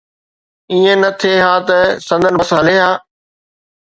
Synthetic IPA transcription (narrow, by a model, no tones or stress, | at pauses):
iːẽnɐt̪ʰeɦaːt̪ɐsɐ̃nd̪ʱənɪɐsɦɐleːɦaː